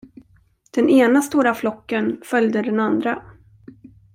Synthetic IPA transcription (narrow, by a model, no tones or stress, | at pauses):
d̪̥ɛnʔeːnast̪uːɾaflɔkːənfœljd̪əd̪ɛnand̪ɾa